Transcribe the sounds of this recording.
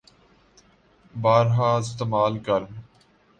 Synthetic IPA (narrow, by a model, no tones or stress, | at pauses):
baːɾɦaːɪst̪eːmaːlkɐɾm